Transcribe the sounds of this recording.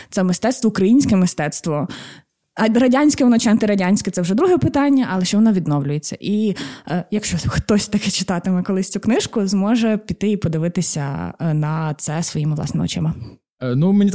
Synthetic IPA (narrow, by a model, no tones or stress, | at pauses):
t̪sɛmɪst̪ɛt̪st̪ʋɔukɾɐjinʲsʲkɛmɪst̪ɛt̪st̪ʋɔ | rɐdʲanʲsʲkɛʋɔnɔt͡ʃɐnt̪ɪɾɐdʲanʲsʲkɛt̪ɛwʒɛd̪ɾuɦɛpɪt̪ɑnʲːɐʔɐlˠɛʃt͡ʃɛʋɔnɔʋʲid̪nɔwlʲʊjet͡sʲːɐ̰ʔi | jɐkʃt͡ʃɔxt̪ɔsʲt̪ɐkɛt͡ʃɪ̥t̪ɑt̪ɪmɛkɔlˠɪsʲt͡sʲuknɪʃkʊzmɔʒɛpʲit̪ːɪipɔd̪ɪʋɪt̪ɪsʲɐ̰nɐt̪sɛsʋɔjimɪʋlˠɑ̰sɪmɐɔ̰t͡ʃɪmɐ | numenʲi